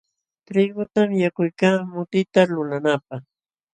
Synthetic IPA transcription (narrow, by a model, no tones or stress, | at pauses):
t̪ɾɪɡʊt̪amjakʊjkaːmʊt̪ɪt̪alʊlanap̚ɑχ